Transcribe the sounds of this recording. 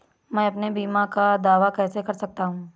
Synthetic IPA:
mɛ̃ːɐpnebiːmãkad̪aːʋakɛːsekɐɾsɐk̚t̪aɦũː

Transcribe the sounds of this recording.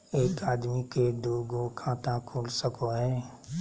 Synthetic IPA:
eːkaːd̪miked̪oːɡokʰãːt̪ãkʰoːlsəkoɦɛ̃ː

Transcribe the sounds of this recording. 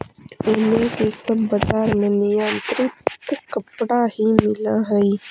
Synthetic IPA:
ʊnõkesɐbːɐzaːɾmẽnijãːnt̪ɾit̪kːɐpɽahimɪlaɦɐi

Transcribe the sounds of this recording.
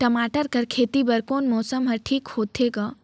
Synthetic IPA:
ʈɐmaːʈəɾkɐɾkʰeːt̪ibɐɾkoːnmɔːsəmɦɐɾʈʰiːkhoːt̪ʰeːɡaː

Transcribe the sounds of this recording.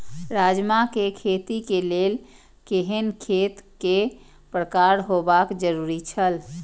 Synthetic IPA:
ɾad͡ʒmakekʰet̪ikelel | keɦənkʰet̪ke | pɾəkaɾɦobakd͡ʒəɾuɾit͡ʃʰəl

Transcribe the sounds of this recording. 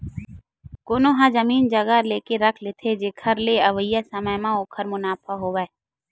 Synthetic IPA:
koːnoɦãzəmiːnd͡ʒəɡaleːkeɾɐkʰlet̪ʰed͡ʒeːkʰəɾleɐʋəjːasəməjmãoːkʰəɾmʊnaːpʰaɦoːʋəɛ

